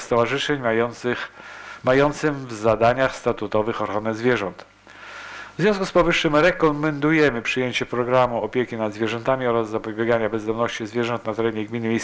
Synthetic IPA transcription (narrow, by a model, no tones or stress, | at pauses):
st̪ɔvaʐɘʂɛɲ | majɔnt̪sɘmvzad̪aɲaxst̪at̪ut̪ɔvɘxɔɾanɛzvʲjɛʐɔnt̪ | vzʲjɔ̃s̬kuspɔvɘʂːɘmɾɛkɔmɛnd̪ujɛmɘpʂɘjeɲt͡ɕɛpɾɔɡɾamuɔpʲjekʲinad̪zvʲjɛʐɛnt̪amʲiɔɾazːapɔbʲjɛɡaɲabɛzd̪ɔmnɔɕt͡ɕizvʲjɛʐɔnt̪nat̪ɛɾɛɲɛɡmʲinɘmʲejs